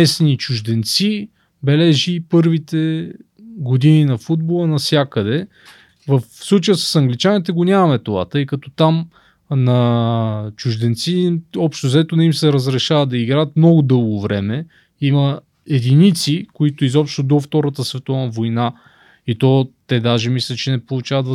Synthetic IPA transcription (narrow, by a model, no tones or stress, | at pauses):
ɛsnit͡ʃʊʒd̪ɛnt̪si | bɛlɛʒipɤɾvit̪ɛ | ɡod̪ininɐfud̪̚bolˠənɐsʲjakəd̪ɛ | vəfslˠut͡ʃəjəsə̥sɐŋɡlit͡ʃanit̪ɛɡonʲamɐmɛt̪ova̰t̪ɤjkɐt̪ɔt̪am | nɐ | t͡ʃʊʒd̪ɛnt̪siɔpʃt̪ʊzɛt̪ʊnɐimsɛɾɐzɾɛʃavəd̪d̪ɐiɡɾajət̪mnɔɡʊd̪ɤlˠɡʊvɾɛmɛ | imɐ | ɛd̪init̪sikoit̪ʊizɔpʃt̪od̪oft̪ɔɾət̪əsvɛt̪ɔvnɐvojna | it̪ɔt̪ɛd̪aʒɛmislʲɛt͡ʃɛnɛpolˠʊt͡ʃavət̪v